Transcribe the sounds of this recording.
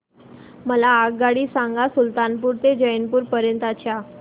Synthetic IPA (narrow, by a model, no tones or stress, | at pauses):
məlaːɡɡaɽiːsãŋɡasult̪anpuːɾt̪ed͡ʑəjənpuːɾpəɾjənt̪at͡ɕja